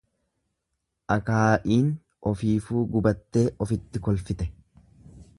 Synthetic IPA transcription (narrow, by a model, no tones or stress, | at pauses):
ʔɐkaːʔiːn | ʔɔfiːfuːɡʊbɐt̪ːe̞ːʔɔfɪt̪ːɪkɔlfɪt̪ɛ